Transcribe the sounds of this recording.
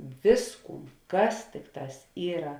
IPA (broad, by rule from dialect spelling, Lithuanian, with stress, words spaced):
ˈʋʲɪsˌkuːn ˈkɐs ˈtʲɪkˌtɑːs ˈiːrɐ